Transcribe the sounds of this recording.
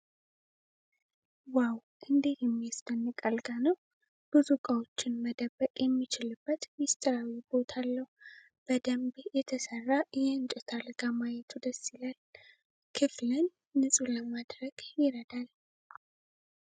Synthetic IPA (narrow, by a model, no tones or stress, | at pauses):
waw | ʔɨnd̪et̪jɛmːijast̪ʼənːɨkʼalɡanəw | b̥uzukʼawo̞t͡ʃːɪnməd̪əbːəkʼjɛmːit͡ʃɪlɨbːət̪mist̪ʼəɾawibo̞t̪ʰalːəhu | b̥əd̪əmbjɛt̪ʰəsərːajɛɨnt͡ʃʼɛt̪ʰalɡ̥amajɛt̪ʰud̪əsːilal | kʰɨflɨnː | ɨsʼuləmad̪ɾəɡ̥jɪɾəd̪al